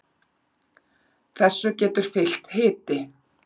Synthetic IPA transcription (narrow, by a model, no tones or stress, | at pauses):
θɛsːʏcɛːt̪ʏɾ̥fɪl̥t̪hɪːt̪ɪ